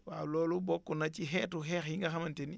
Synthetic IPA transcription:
waːlɔːlubɔkːunat͡ʃiɦɛːtuɦɛxhiŋɡaxamanteni

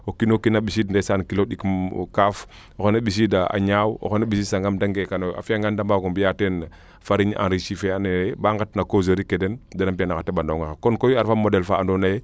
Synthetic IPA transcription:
okinokinaɓisidndesankiloɗikkaf | oxonaɓis̬idaa̰ɲaːwo̰xonaɓis̬isaŋɡamdaŋɡekanoa̰fiaŋɡandambakombijaten | faɾiɲʔã̰nɾiʃifeaneebaŋɡatnakozoɾikedendanampianaxatːebandoŋaxakonkojaɾfamodelfaːndonaje

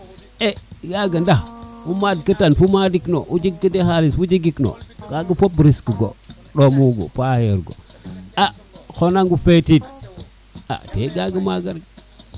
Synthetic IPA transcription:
eɡaɡəndahwumadkətanfumadikno̰ʔud͡ʒiɡkːədehalisfud͡ʒiɡikno̰ɡaɡəpobɾiskəɡo̰ | ɗomuɡo̰paheɾɡo̰axonaŋɡufetit̚ | a̰tḛɡaɡəmaɡaɾɡ

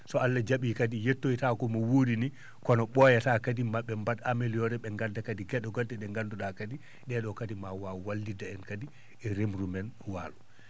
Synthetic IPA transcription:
sɔalːad͡ʒaɓikadijetːojtakɔmɔwodini | kɔnɔɓɔjataːkadimaɓːɛmbatamelijɔɾɛɓɛŋɡandakadiɡɛɗɔɡɔdɛɗɛŋɡanduɗakadi | ɗɛɗɔkadimawawalːdidaɛnkadi | ɛɾemɾumɛnwa̰ːlu

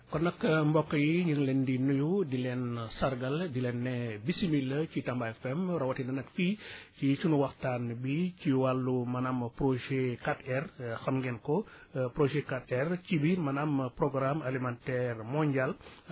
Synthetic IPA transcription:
kɔnːɐkːmbɔkːɐjiɲəŋlɛndinujudilɛnsɐrɡɐldilɛnːɛbisimilːəcitɐmbaɛfɛmɾɐwɐtinɐnɐkficit͡ʃunuwɐxtanbiciwalːumɐnamproʒekatɛrxɐmɡɛnkɔpɾoʒekat̚ɛrcibimɐnampɾɔɡɾamɐlimantɛrmɔɲɟal

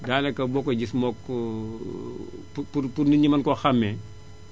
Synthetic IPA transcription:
daːnɛkɐbɔkːɔɟismɔk | upuɾpuɾniɲimɐnkɔxɐmːɛ

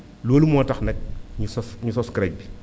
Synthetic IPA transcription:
loːlumɔːtɐxnɛk̚ɲusɔsɲusɔskɾɛk̚bi

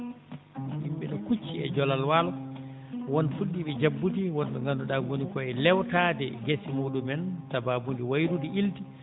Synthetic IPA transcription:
himɓɛɗɔkut͡ʃːiɛ̰d͡ʒɔlalwalɔ | wɔnfuɗːiɓɛd͡ʒabːutiwɔnɓɛŋɡandɔɗaɡonikɔɛlɛwtaːdɛɡesimoːɗumɛntababundiwajɾudiʔilti

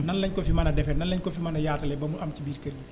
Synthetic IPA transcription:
nɐnlɐɲkɔfimɐnɐdɛfɛnnɐnlːɐɲkɔfimɐnɐjaːtɐlɛbɐmuɐmcibiːɾkɐɾi

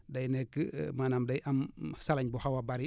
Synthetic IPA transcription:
dɐjnɛkːmanamdɐjʔamsalɐɲbuhawabaɾi

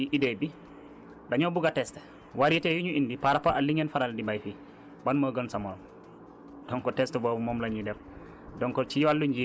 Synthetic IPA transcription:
iʔidɛbi | daɲɔbuɡatɛstɛ̥ | waɾitɛjuɲuʔindipaɾapaʔalːiŋɛnfaɾaldibajfi | banmaɡənsamɔl | d̥ɔŋkɔtɛstɛbɔːbɔmɔmlaɲidɛf | dɔŋkɔt͡ʃijwalːuɲd͡ʒi

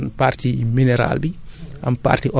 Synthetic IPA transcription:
npartiminɛɾa̰lbiʔa̰mpa̰rtiʔɔ

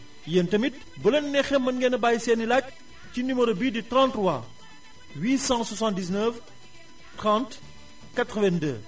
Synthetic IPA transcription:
jɛntɐmit | bəlɐnːɛxɛmɐnɡɛnɐbajsɛnilac̚ | cinyməɾobiditrɑ̃ntrwa | wiːsɑ̃swɐsɑ̃ntdis̬nəf | tɾɑ̃nt | katɾəvɛndə̰

